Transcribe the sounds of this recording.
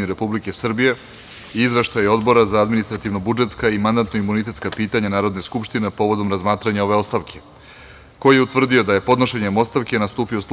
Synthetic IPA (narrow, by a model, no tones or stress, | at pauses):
niɾe̞publike̞sr̩bije̞ | izʋe̞ʃt̪ajo̞d̪bo̞ɾazaad̪minist̪ɾat̪iʋno̞bud͡ʒe̞t̪skaimand̪ant̪no̞imːunit̪̬e̞t̪skapiːt̪aɲanaːɾo̞d̪neskupʃt̪ine̞po̞ːʋo̞d̪o̞mɾazmaːt̪ɾaɲao̞ʋe̞o̞st̪aʋkʰe | ko̞jijeut̪vr̩d̪io̞d̪aje̞po̞d̪no̞ʃe̞ɲemo̞st̪aʋkenast̪uːpio̞s